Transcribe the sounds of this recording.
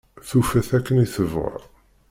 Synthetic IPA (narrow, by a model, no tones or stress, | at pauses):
θufæθækːəniθəvʁə̰